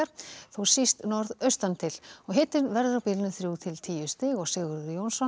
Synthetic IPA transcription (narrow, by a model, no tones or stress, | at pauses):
aɾ̥θuwsist̪nɔɾðœɥst̪ant̪ʰɪlɔɣɦɪt̪ɪnvɛɾðʏɾawpiːlnʏθɾjuːt̪ʰɪlt̪ʰiːjʏst̪ɪɣɔɣsɪːɣʏɾðʏjownsɔ